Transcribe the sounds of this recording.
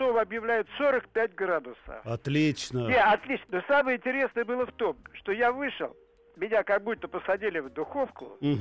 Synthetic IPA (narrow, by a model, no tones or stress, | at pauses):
ovəɐbjɪvlʲæjɪt̪so̞ɾəkpʲæt̚ʲɡrad̪ʊsə̰ɐt̪lʲit͡ɕnənʲeɐt̪lʲit͡ɕnənosaməjəɪnʲtʲɪɾʲe̞snəjəbɨlˠəft̪o̞mʂt̪o̞javɨʂɨ̰lˠ | mʲɪnʲakɐɡ̚but̪ːəpəsɐdʲilʲɪvd̪ʊxo̞fkʊ̰